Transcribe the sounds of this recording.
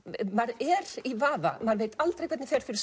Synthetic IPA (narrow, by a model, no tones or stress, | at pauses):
maɾɛɾivaːva̰maɾvejt̪alt̪ɾejkʰvɛt̪nɪfɛɾ̥fɪɾɪ̥ɾs